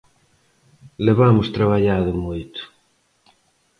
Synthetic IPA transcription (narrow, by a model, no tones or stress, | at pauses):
leβamʊst̪ɾaβ̞aʎaðʊmojt̪ʊ̥